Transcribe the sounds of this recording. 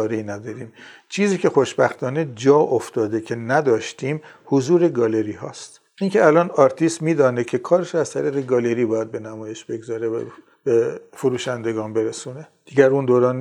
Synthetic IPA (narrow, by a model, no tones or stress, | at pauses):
ɾeinæd̪ɒːɾiːmt͡ʃʰiːziːcʰe̞xoʃbæxt̪ʰɒːne̞d͡ʒɒːʔoft̪ɒːd̪e̞kcʰe̞næd̪ɒːʃt̪ʰiːmhozuːɾe̞ɡɒːle̞ɾiːɦɒːst̪ | ʔiːŋcʰʲe̞ælɒːnɒːɾt̪ʰiːst̪miːd̪ɒːnekʰe̞kʰɒːɾeʃoæzt̪ʰæɾiːɣeɡɒːle̞ɾiːbɒːjæd̪̚be̞næmɒːje̞ʃbe̞ɡzɒːɾevæ̰ | b̥efoɾuːʃænd̪e̞ɡɒːnbe̞ɾesuːne̞ | d̪̥iːɟæɾund̪oːɾɒːn